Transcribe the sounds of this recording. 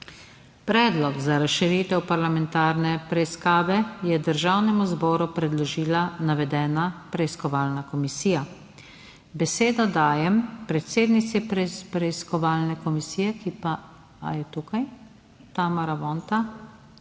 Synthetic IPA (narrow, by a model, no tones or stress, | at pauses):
pɾɛːd̪lɔɡzaɾasʃiɾiːt̪ɛwpaɾlamɛnt̪aːɾnɛpɾɛiskaːʋɛjɛd̪əɾʒaːwnɛmuzbɔːɾupɾɛd̪lɔʒiːlanaʋɛd̪ɛːnapɾɛiskɔʋaːlnakɔmisiːja | bɛseːd̪ad̪aːjɛmpɾɛt̪seːd̪nit̪sipɾpɾɛiskɔʋaːlnɛkɔmisiːjɛkipa | a̰jɛt̪uːkaj | t̪aːmaɾaʋɔːnt̪a